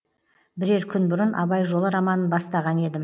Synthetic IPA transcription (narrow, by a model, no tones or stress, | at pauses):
bɪɾe̞ɾkʲʰʏnbʊɾənʔɑ̰bɑjʒo̞lˠəɾɑmɑnənbɑst̪ɑʁɑne̞d̪ɪm